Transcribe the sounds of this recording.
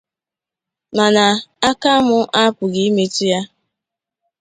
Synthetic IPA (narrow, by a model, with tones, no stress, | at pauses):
na˨na˨a˦ka˦mʊ˦ʔa˦pʊ˨ɡi˦me˦ti˦ja˦